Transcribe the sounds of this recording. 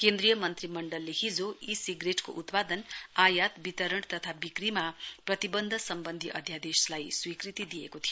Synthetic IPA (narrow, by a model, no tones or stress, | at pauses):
kẽnd̪rijʌmʌnt̪rimʌɳɖʌlːehid͡zoisiɡreʈko̰ʔut̪pad̪ʌnajat̪bit̪ʌɾʌɽ̃t̪ʌt̪ʰabikrimaprʌt̪ibʌnd̪ʱʌsʌmbʌnd̪ʱiʔʌ̰d̪ʱjad̪eslajswikrit̪id̪ijekot̪ʰijo